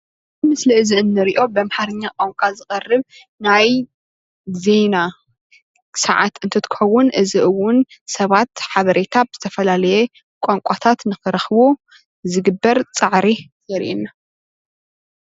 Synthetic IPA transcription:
ɨmɨsliɨziʔɨnːɨɾiʔo̞bɐmħaɾɨɲːakʼoŋkʷʼazɨxʼɐrːɨβ | naj | ze̞na | sɐʕa̰t̪ɨnt̪ʰɐt̪ʰɨ̥xɐwːʊnʔɨziʔɨwːʊnsɐβat̪ħaβɐɾʔe̞t̪ʰabɨz̥ɨt̪ʰɐfɐlalɐje | kʷʼoŋkʷʼat̪ʰat̪nɨxɨɾɐxβu | zɨɡɨbːɐɾt͡sʼɨʕɾizɐɾḭʔinːa

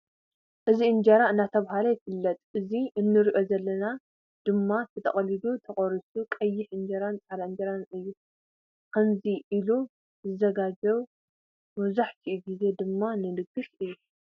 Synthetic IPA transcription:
ʔɨziɨnd͡ʒɐɾaɨnːat̪ʰɐβhalɐjɪfɨlːɐt̪ʼʔɨziɨnːɨɾiʔo̞zɐlːɐna | d̪̥ɨmːatʰɨt̪ʰɐ̰χʼɐlid̪ut̪ʰɐχʼɔɾisukʼɐjːɪħɨnd͡ʒɐɾant͡sʼalaɨnd͡ʒɐɾanɨjːu | kʰɐnziʔilu | zɨzɐɡad͡ʒɐβ | mɐβzaħt̪ʰiʔuɡize̞d̪ɨmːanɨlɨɡɨfɨjːu

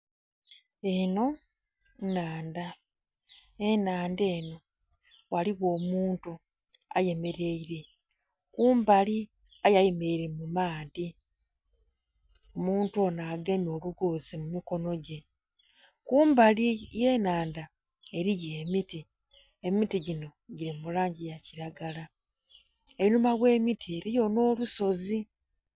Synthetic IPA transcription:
eno̞ | naːnda | enaːndeːno̞ | waliɣo̞ːmuːntu | a̰je̞me̞ɾe̞iɾe | kuːmbali | ajajeme̞iɾemumaːði | omuːntuo̞naːɡemio̞βuɡuːzimumiko̞no̞ɟe̞ | kuːmbalije̞ːnaːnda | e̞ɾijeːmiti | emmitiɟino̞ɟiɾimulaːɲɟijaciɾaɡala | einumaɣwe̞ːmitʰieɾijo̞no̞ːluso̞zi

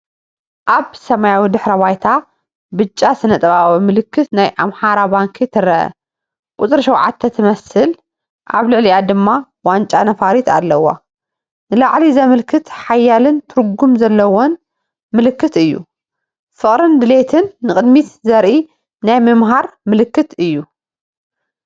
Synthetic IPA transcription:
ʔaβsɐmajawid̪ɨħɾɐβajt̪ʰa | bɨt͡ʃʼːasɨnɐt̪ʼɐβawɐmɨlɨkʰːɨt̪najʔamħaɾabaŋkʰit̪ʰɨɾɐʔɐ̰ | kʼut͡s̪ʼɨɾʃɐwʕa̰t̪ʰːɐt̪ʰɨmɐsɨl | ʔa̰βlɨʕlijad̪ɨmːa | want͡ʃʼanɐfaɾit̪a̰lːɐwa̰ | nɨlaʕlizɐmɨlkʰɨt̪ħajːalɨnt̪ʰɨɾɡumzɐlːɐwon | mɨlɨkːɨt̪ɨjːṵ | fɨχʼɾɨnd̪ɨle̞t̪ʰɨnːɨkʼɨd̪mit̪zɐɾʔi | najmɨmɦaɾmɨlɨkːɨt̪ɨjːu

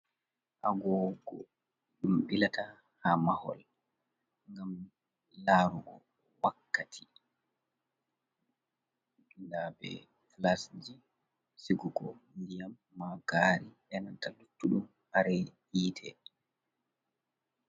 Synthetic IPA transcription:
ʔa̰ɡɔɡɔ̰ | ɗumɓilata | hamahɔ̰l | ŋɡam | laɾuɡɔ̰ | wakːatʰi̥ | dundabɛ̰ | klasd͡ʒi | siɡuɡɔndijamːaɡaɾiɓɛnantalutːuɗum | haɾɛ | iːtʰɛ

